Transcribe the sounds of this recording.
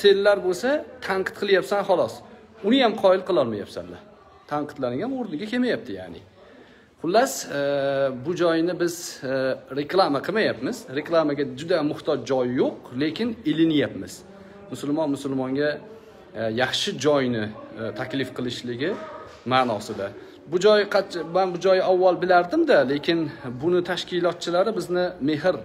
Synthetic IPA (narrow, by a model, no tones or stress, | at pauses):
se̞lːaɾbolsat̪ʰaɴqʰɨ̥t̪̚qʰɨlˠjapsanχɒlˠɒs | ʊnɪjamqʰɒɪlˠqɨlˠɒlˠmaja̰psa̰nla | t̪ʰaɴqʰɨ̥t̪lanɪŋanoɾnɪɡʲakʰʲe̞majap̚t̪ɪjaʕnɪ | χʊlːas | bʊd͡ʒɒjnɪbɪz | ɾe̞klˠamaqʰɨmajapmɪzɾe̞klˠamaɡʲad͡ʒʊd̪amʊht̪ʰɒd͡ʒd͡ʒɒjːoqle̞kʲɪnelɪnjapmɪz̥ | mʊsʊlˠmɒnmʊsʊlˠmɒŋɡʲa | jɑχʃɪd͡ʒɒjnɪt̪ʰakʲlɪfqʰɨlˠɪʃlɪɡʲɪ | maːnɒsɪd̪a | bʊd͡ʒɒjqʰɑt͡ʃmanbʊd͡ʒɒjawːalˠbɪlaɾd̪ɪmd̪ale̞kʲʰɪnbʊnɪt̪ʰaʃkʲɪlˠɒt̪̚t͡ʃʰɪlaɾɪbɪznɪme̞ɦɪɾ